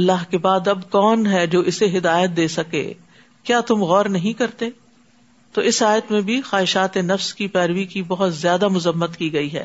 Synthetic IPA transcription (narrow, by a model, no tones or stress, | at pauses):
ɐlːaɦkebaːd̪ɐbkɔːnɦɛd͡ʒoːɪseɦɪd̪aːjət̪̚d̪eːsɐkḛː | kjaːt̪ʊmɣɔːɾnɐɦĩkɐɾt̪e | t̪oːɪsaːjət̪mẽbʱixaːɦɪʃaːt̪enɐfskipɛːɾʋikibɐɦʊt̪zjaːd̪amʊzəmːət̪kiɡɐiɦɛ̰ː